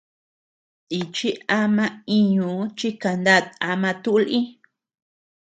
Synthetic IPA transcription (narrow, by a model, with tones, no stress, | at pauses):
i˨t͡ʃi˦a˦mã˧ĩ˦ɲũ˨˦t͡ʃi˦ka˨nd̪a˦˨t̪̚a˧mã˧t̪u˦ʔlĩ˦